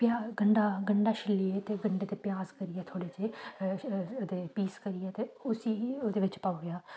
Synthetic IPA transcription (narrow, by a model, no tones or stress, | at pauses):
pjaɡəɳɖaːɡəɳɖaːʃʰɪlːiːeːt̪eːɡəɳɖeːt̪eːpjaːzkəɾiɛːt̪ʰoːɽeːt͡ʃeː | d̪eːpiːskəɾiːɛːt̪eːʊsiːoːd̪eːʋɪt͡ʃpaːoːɡeaː